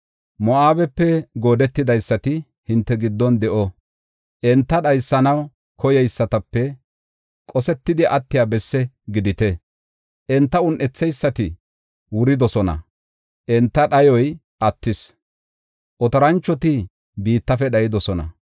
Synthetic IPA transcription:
mɔaːbɛpːɛɡo̞ːd̪ɛt̪ːɪd̪ɐjsːɐt̪ɪ | hɪnt̪ːɛɡɪd̪ːɔnd̪ɛʔɔ | ʔɛnt̪ːɐɗɐjsːɐnɐw | kʰɔjɛjsːɐt̪ɐpːɛ | kʼɔsɛt̪ːɪd̪ɪʔɐt̪ːɪjaːbɛsːɛ | ɡɪd̪ɪt̪ɛ | ʔɛnt̪ːɐʊnʔɛt͡sːɛjsːɐt̪ɪ | wʊɾɪd̪ɔsɔnɐ̰ | ʔɛnt̪ːɐɗɐjɔj | ʔɐt̪ːɪs | ʔɔt̪ɐɾɐnt͡ʃːɔt̪ɪ | biːt̪ːɐfɛɗɐjɪd̪ɔsɔnɐ̰

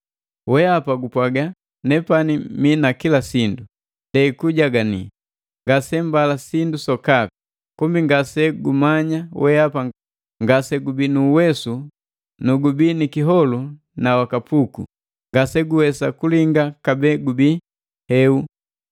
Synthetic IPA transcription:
wɛapaɡupwaɡa | nɛpaniminakilasindu | ndɛikuɟaɡanḭ | ŋɡasɛmbalasindusɔkaku̥ | kumbiŋɡasɛɡumaɲawɛapa | ŋɡasɛɡubinuːwɛsu | nuɡubinikiɦɔlu | nawakapukṵ | ŋɡasɛɡuwɛsakuliŋɡakabɛɡubi | hɛu

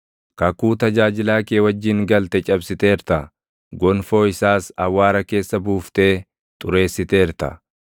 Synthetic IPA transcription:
kɐkːuːt̪ɐd͡ʒaːd͡ʒɪlaːkeːwɐd͡ʒːɪŋɡɐlt̪ɛt͡ʃʼɐbsɪt̪e̞ːɾt̪ɐ | ɡɔnfo̞ːɪsaːsɐwːaːɾɐke̞ːsːɐbuːft̪e̞ː | t̪ʼʊɾe̞ːsːɪt̪e̞ːɾt̪ɐ̰

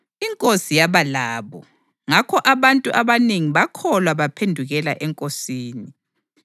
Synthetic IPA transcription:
iŋkʼosijaβalaːβɔ | ŋakʰɔʔaβantʼuʔaβaneŋiβakʰɔlwaβapʰendʱuɣɛlaʔɛŋkʼosiːni

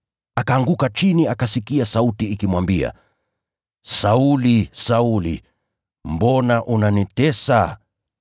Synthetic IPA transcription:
akaːŋɡukat͡ʃiniakasikiasautiːkimwambia̰ | saulisaulḭ | mbɔnaʔunanitɛsa

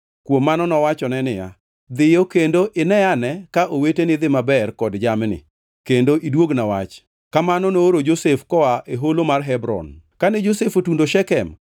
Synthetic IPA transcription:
kwomːanɔnɔwat͡ʃɔnɛnɪja̰ | d̪ɪjokendoʔɪnɛanɛkaʔowetenɪd̪ɪmabɛrkɔdd͡ʒamnɪ̰ | kendoʔidwoɡnawat͡ʃ | kamanɔnoːɾod͡ʒosefkɔwaʔeɦolomarɦɛbɾɔ̰nkanɛd͡ʒosefotundoʃɛkɛm

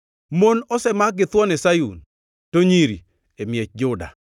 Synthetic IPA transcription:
monɔsɛmaɡɪt̪wɔnɛsajṵn | toɲiɾi | emjɛt͡ʃ̚d͡ʒʊda̰

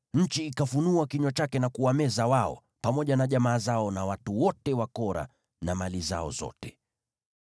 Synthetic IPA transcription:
ɲ̩t͡ʃiːkafunuakiɲɔt͡ʃakɛnakuamɛzawaɔ̰ | pamɔʄanaʄamaːzaɔnawatuwɔtɛwakɔɾa̰ | namaliza̰ɔ̰zɔ̰tɛ

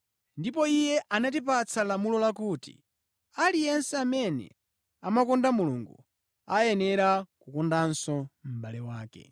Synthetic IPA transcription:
ndipɔijɛʔanat̬ipat͡sʰalamulɔlakuːtḭ | alijɛnsɛamɛnɛ̰ | amakɔndamulṵŋɡu | ajɛnɛɾakukɔndansɔm̩ɓalɛwaːkɛ̰

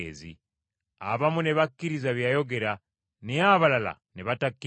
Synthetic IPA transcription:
ḛzḭ | a̰βamune̞βakːiɾizaβjajo̞ɡe̞ɾa | nejaβalala̰neβatakːi

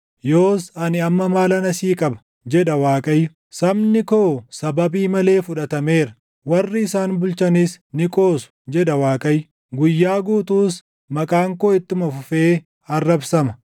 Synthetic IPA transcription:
jo̞ːsɐnɪɐmːɐmaːlɐnɐsiːkʼɐbɐ̥ | d͡ʒɛᶑɐwaːkʼɐjːʊ | sɐbnɪkoːsɐbɐbiːmɐle̞ːfʊᶑɐt̪ɐme̞ːɾɐ | wɐrːɪɪsaːnbʊlt͡ʃɐnis | nɪkʼo̞ːsʊ̥d͡ʒɛᶑɐwaːkʼɐjːʊ | ɡʊjːaːɡuːt̪uːs | mɐkʼaːŋkoːɪt̪ːʊmɐfʊfe̞ː | ɐrːɐbsɐmɐ

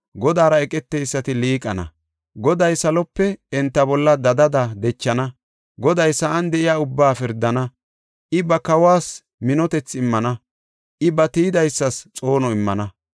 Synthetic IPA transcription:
ɡɔd̪aːɾɐɛkʼɛt̪ːɛjsːɐt̪ɪliːkʼɐnɐ̰ | ɡɔd̪ɐjsɐlɔpːɛɛnt̪ːɐbɔlːɐd̪ɐd̪ɐd̪ɐd̪ɛt͡ʃːɐnɐ | ɡɔd̪ɐjsɐʔɐnd̪ɛʔɪjaːʊbːaːfɪɾd̪ːɐnɐ | ʔɪbɐkɐwaːs | mɪnɔt̪ɛt͡sːɪmːɐnɐ | ʔɪbɐt̪iːɪd̪ɐjsːɐst͡sʼo̞ːnɔɪmːɐnɐ

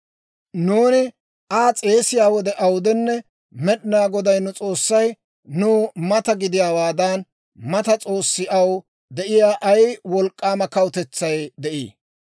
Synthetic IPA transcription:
nuːnɪ | ʔaːt͡sʼe̞ːsɪjaːwɔd̪ɛʔɐwd̪ɛnːɛ | mɛɗnaːɡɔd̪ɐjnʊt͡sʼo̞ːsːɐj | nuːmɐt̪ɐɡɪd̪ɪjaːwaːd̪ɐn | mɐt̪ɐt͡sʼo̞ːsːɪʔɐw | d̪ɛʔɪjaːʔɐjwɔlkʼːaːmɐkɐwʊt̪ɛt͡sːɐjd̪ɛʔḭː

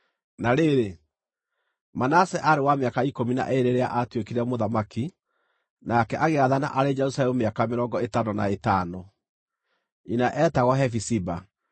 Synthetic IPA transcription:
naɾeɾe | manasɛʔaɾewameakaikomina̰ʔeɾeɾea̰ʔatwekiɾɛmoðamaki | nakɛʔaɣeaðana̰ʔaɾed͡ʒɛɾusalɛmomeakameɾɔŋɡɔetanona̰etaːnɔ | inaʔɛːtaɣɔɦɛfisiba

